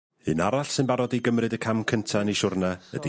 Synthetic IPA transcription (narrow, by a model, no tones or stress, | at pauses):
ɨnaɾaɬsɨnbaɾɔdiɡəmrɨdəkʰamkʰəntʰaniʃʊrnaə̰di